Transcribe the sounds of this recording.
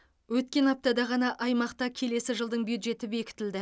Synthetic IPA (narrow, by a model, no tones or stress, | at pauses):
wɵt̪kʲe̞nɑp̚t̪ɑd̪ɑʁɑnɑʔɑjmɑqt̪ɑkʲʰe̞le̞sɪʒəlˠd̪əɴbjud̪ʒe̞t̪ɪbe̞kʲɪ̥t̪ɪld̪ɪ